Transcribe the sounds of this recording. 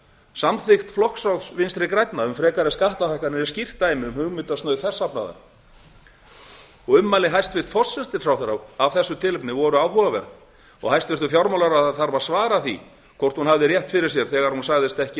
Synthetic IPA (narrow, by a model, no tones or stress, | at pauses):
samθɪxt̪flɔhksawðsvɪnst̪ɾɪkɾajt̪naʏmfɾɛːkaɾɛskaht̪aθajhkanɪɛscir̥t̪ːaːjmɪʏmhʏɣmɪt̪ast̪œːɥðθɛsːapna̰ða̰ɾ | ɔɣʏmːajlɪɦajst̪fɪr̥t̪fɔ̥sɛst̪ɪsawθɛɾawavθɛsːʏt̪ʰɪːlɪpnɪvɔɾʏaːwɦɔvavɛ̰ɾ | ɔ̰ɣhajst̪fɪr̥t̪ʏfjɔɾmawlaɾaaθaɾvaɾ̥svaːɾaθḭ | kʰɔr̥t̪hunɦavðɪrjɛht̪fɪɾɪɾ̥s̬jɛɾ̥θɛːɣaɾhunsaɣðɪst̪ɛhcɪ